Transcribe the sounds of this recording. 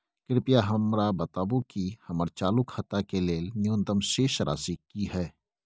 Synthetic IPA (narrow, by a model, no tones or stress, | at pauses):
kɪɾpijaɦɐmɾabɐt̪aːbũkihɐməɾt͡ʃaːlukhɐt̪akeleːlnjõːnd̪əmʃeːʃɾa̰ːsikiɦɛː